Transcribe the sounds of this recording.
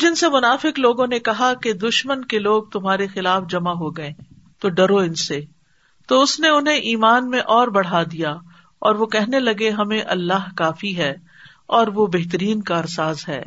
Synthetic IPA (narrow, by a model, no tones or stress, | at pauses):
d͡ʒɪnsemʊnaːfɪkloːɡõnekɐɦaked̪ʊʃmənkeloːɡ̚t̪ʊmɦaːɾexɪlaːfd͡ʒɐmaɦoɡɐẽː | t̪oɖɐɾoɪnse | t̪oʊsneʊnɦẽʔiːmaːnmẽʔɔːɾbɐɽ̤ad̪ija | ɔːɾʋokɛɦnelɐɡeɦɐmẽʔɐlːaɦkaːfiɦɛː | ɔːɾʋobeɦt̪̬əɾiːnkaːɾsaːzɦɛ̰ː